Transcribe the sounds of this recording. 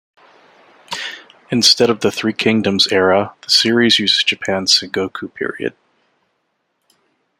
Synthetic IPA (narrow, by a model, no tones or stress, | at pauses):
ɨ̃nstɛɾʌvðɨθɹikʰɪ̃ŋdɨ̃mzɛɹəðəsɪɹizjʉzɨzd͡ʒɨpʰæ̃n̥sɨ̃ŋɡoʊkʰʉpʰɪ̰ɹḭɨ̰d̥̚